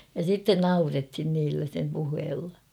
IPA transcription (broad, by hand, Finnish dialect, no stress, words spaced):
jɑ sitːen nɑurethin niːlːæ sem puheːlːɑ